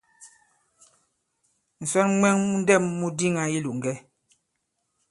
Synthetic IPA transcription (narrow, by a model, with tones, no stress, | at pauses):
n̩˨sɔ˦nŋwɛ˦ŋmu˦n˦dɛ˦˨mːu˦di˦ŋa˨i˦lu˨ʔŋ̩˨ɡɛ˦